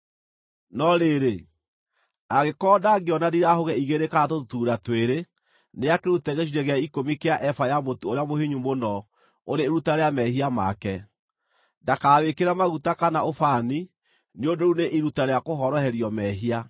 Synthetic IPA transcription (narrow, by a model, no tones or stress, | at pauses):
nɔɾeɾe | aɣekɔːdaɡeɔnadiɾaɦoɣɛiɣeɾekatotuːɾatweɾe | neakeɾutɛɣeʃiɾɛɣeaikomikeaʔɛfajamotuoɾeamohiɲumonɔ | oɾeːɾutaɾejamɛhiamakɛ | dakaːwekeɾamaɣutakanaʔofani | niondouneʔiɾutaɾeakoɦɔɾɔhɛɾiɔmɛɦia